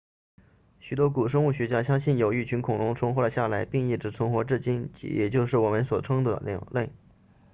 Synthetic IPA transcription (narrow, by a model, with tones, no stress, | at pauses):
ɕy˨˩t̪wɔ˥ku˨˩ʂ̬ɤ˥ŋu˥˩ɕɥɛ˧˥t͡ɕja˥ɕjɑ˥ŋɕi˥˩njo˨˩ʊi˥˩t͡ɕʰy˧˥nkʰʊ˨˩ŋnʊ˧˥ŋʈ͡ʂʰʊ˥ŋxwɔ˥lə˨˧ɕja˥˩la˧˥ɪpi˥˧ŋi˥˩ʈ͡ʂɻ̩˧˥t͡sʰɤ˥ŋxwɔ˧˥ʈ͡ʂɻ̩˥˩t͡ɕi˥nt͡ɕḭ˧˥jɛ˨˩t͡ɕjo˥˧ʊʂɻ̩˥˩wɔ˨˩mə˧˦nswɔ˨˩ʈ͡ʂʰɤ˥ŋd̪ə̰˨ljɑ̰˨˧˩ŋle˥˩ɪ